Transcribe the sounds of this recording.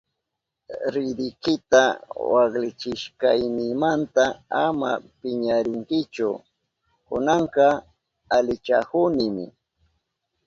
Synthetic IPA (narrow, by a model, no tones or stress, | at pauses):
ɾɪd̪ɪkɪt̪awɑklɪt͡ʃɪʃkajnɪmant̪aama̰pɪɲaɾɪŋkɪt͡ʃʊ̰ | kʊ̰nɑɴqɑ | alɪt͡ʃa̰kʊnɪmɪ̰